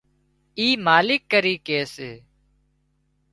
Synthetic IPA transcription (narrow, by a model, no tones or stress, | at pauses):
iːmaːlɪkːəɾiːkeːseː